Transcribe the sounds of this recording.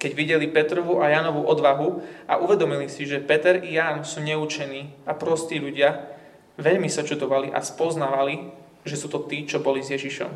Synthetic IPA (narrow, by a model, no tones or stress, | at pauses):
kɛɟʋiɟɛlipɛt̪ɾɔʋuʔajanɔʋuʔɔd̪ʋaɦuaʔuʋɛd̪ɔmilisiʒɛpɛt̪ɛɾijaːnsuːɲɛut͡ʃɛniːapɾɔst̪iːʎuɟɪa | ʋɛʎmisat͡ʃud̪ɔʋaliʔa̰spɔznaːʋali | ʒɛsuːt̪ɔt̪iːt͡ʃɔbɔlizjɛʒiʃɔ̰m